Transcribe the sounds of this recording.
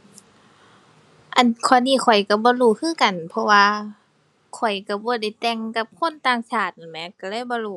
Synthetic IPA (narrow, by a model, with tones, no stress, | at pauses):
ʔa˧˨˩nkʰɔː˧˩nːiː˧˩˨xʰɔ˨˩jka˧˩bɔː˧˦luː˧˩˨kʰɯː˧˥˨ka˨npʰɔ˧waː˧ | kʰɔ˨˩jka˧˩bɔː˧˦da˧˩jt̪ɛ˧ŋka˧˦p̚kʰo˧˥˨nt̪aː˧˨ŋsaː˧˩t̪̚a˨˩nmɛ˧˨ka˧˩lɤː˧˥˨jbɔː˧˦luː˧˩